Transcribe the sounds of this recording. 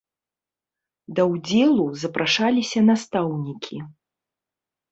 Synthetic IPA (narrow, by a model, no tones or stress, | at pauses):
d̪ɐwd͡zʲɛlˠuzɐpɾaʂalʲisʲɐnast̪awnʲikʲʰi